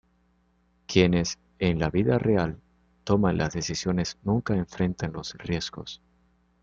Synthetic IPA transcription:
kje̞ne̞s | enlaβiðarʔe̞al | t̪o̞manlʔa̰zðe̞θisjo̞ne̞znũŋkaeɱfɾe̞nt̪anlo̞srje̞zɣo̞s

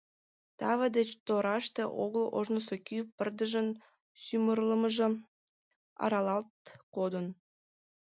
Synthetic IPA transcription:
t̪ɑβəd̪et͡ɕt̪oɾɑʃt̪eʔo̰ɣəlo̰ʒnəsokypərd̪əʒən | symərləməʒə̆ | ɑ̰ɾɑlɑlt̪̚kod̪ən

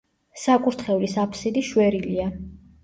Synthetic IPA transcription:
sakʼuɾt̪ʰχɛvlisapʰsid̪iʃwɛɾilia

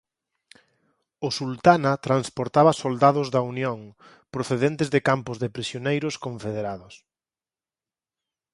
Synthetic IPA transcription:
ʊsult̪anɐt̪ɾanspoɾt̪aβɐsold̪aðʊzðɐunjoŋ | pɾoθeðent̪ɪzðɪkampʊzðɪpɾisjonejɾʊskõɱfeðeɾaðʊs

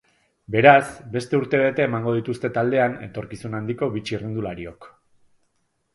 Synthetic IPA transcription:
be̞ɾasbe̞st̪e̞uɾt̪e̞βe̞t̪e̞ːmaŋɡo̞ð̞it̪ust̪e̞t̪ald̪e̞ane̞̰t̪o̞ɾkisunand̪iko̞βit͡ʃirind̪ulaɾio̞k

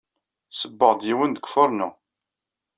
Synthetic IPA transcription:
səbːəʁd̪jiwənd̪əkʷfʊɾˤnu

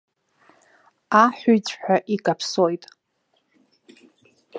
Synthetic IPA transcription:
aħʷᶣʊt͡sʰʼħʷᶣaʔikʼapʰso̞jtʼ

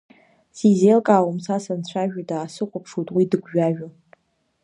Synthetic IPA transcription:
sizelkʼawomsasant͡ɕʷʰaʒᶣadaːsɨqʷʼʊpʰʂutʼwidɨɡʷʒᶣaʒᶣʊ

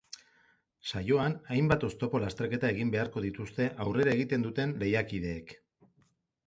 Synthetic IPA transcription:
sajo̞anajmbat̪o̞st̪o̞po̞last̪e̞ɾke̞t̪ae̞ɣimbe̞aɾko̞ðit̪ust̪e̞ʔawre̞ɾae̞ɣ̞it̪e̞nd̪ut̪e̞nle̞jakið̞e̞ːk

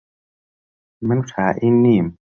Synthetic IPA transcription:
mankʰaːʔinːim

